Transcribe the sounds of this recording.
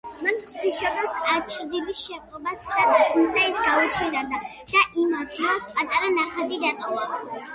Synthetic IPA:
manχt̪ʰiʃɔb̪ɛlsat͡ʃʰɾd̪ilisʃɛkʼɔbasːad̪at̪ʰumt̪sʰaɛsɡaut͡ʃʰiɾad̪a | d̪̥aʔimadaspʼat̪ʼaɾanaχad̪id̪at̪ʼɔva

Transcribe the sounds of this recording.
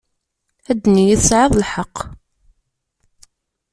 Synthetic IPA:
æd̪ːnijiθəsʕeðˤlħɑqː

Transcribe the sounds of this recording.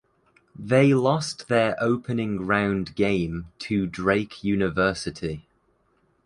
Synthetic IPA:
ðeɪlɒsðəɹʔəʊpʰənɪ̃ŋɹãʊ̃ndɡẽɪ̃mtʰədɹeɪkʰjʉːnɪvɜˑsɪtʰi

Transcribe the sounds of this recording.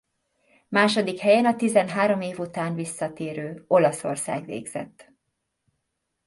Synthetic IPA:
maːʃo̞d̪ikhɛjɛnɒt̪izɛnɦaːɾo̞meːvut̪aːnvisːɒt̪eːɾøːo̞lɒso̞̰rsa̰ːɡʋḛːɡz̥ɛ̰t̪ː

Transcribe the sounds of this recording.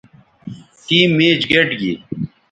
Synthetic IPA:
tiːmːeːd͡ʑɡeʈɡi

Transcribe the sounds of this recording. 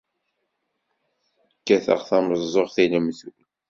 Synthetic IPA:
kːæθə̰ʁθɑməzˤːoʁθiləmθu

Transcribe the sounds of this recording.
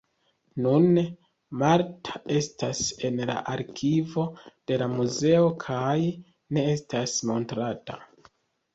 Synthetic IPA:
nun | maɾtʰḁe̞stase̞nla̰ʔaɾkʰivo̞d̥e̞lamuze̞o̞kʰaj | ne̞estasmo̞ntɾata̰

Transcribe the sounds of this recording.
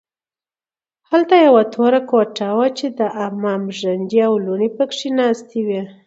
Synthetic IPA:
halt̪ajawat̪ʰoɾakoʈawat͡ʃed̪əʔamɑmʒand͡ʒiawluɳipəkʂinɑst̪iwi

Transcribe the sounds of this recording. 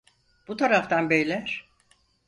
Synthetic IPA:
b̥ut̪ʰaɾaft̪ʰanbejlʲæɾ̥

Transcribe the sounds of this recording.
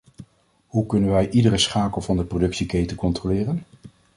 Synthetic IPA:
ɦukɵnənʋɛjʔidəɾəsχaːkəlˠvɑndəprodɵksikejtəkɔntrolɪːrən

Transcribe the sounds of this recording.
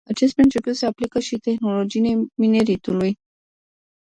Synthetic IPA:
at͡ʃe̞s̬t̪̚pɾint͡ʃeput̪se̞aplikəʃit̪e̞xno̞lo̞d͡ʒinemine̞ɾit̪uluj

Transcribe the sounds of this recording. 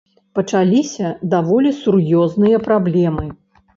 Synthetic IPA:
pɐt͡ʂalʲisʲɐd̪avɔlʲisurjɔznɨjɐpɾablʲɛmɨ

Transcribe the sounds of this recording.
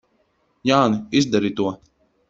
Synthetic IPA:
jaːniizd̪aɾit̪uɔ

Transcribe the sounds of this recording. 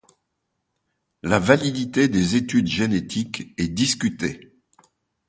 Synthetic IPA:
lavalid̪it̪ed̪ezet̪yd̪ʒenet̪ʰikɛd̪iskʲyt̪e

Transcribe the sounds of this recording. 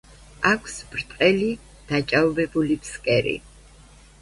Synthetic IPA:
akʷʰsbɾt̪ʼqʼɛli | d̪̥at͡ʃʼavɔbɛbulipʰskʼɛɾḭ

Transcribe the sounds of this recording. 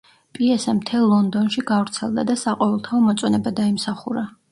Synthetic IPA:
pʼiɛsɛmt̪ʰɛlˠːɔnd̪ɔnʃiɡavɾt̪sʰɛ̰lˠd̪a̰d̪asaqʼɔvɛlˠt̪ʰaɔmɔt̪sʼwɔnɛbad̪aimsaχuɾa

